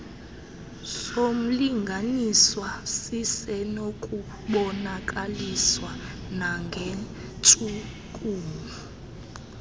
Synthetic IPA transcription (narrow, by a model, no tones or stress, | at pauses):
som̩liŋɡʱaniswasisɛnokʼu | ɓɔnakʼaliswa | naŋɡʱe | t͡ʃʼu | kʼuːmi